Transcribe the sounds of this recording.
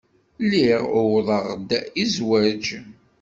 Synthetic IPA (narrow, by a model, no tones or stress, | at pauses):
liʁʊwðˤəʁd̪izwæd͡ʒ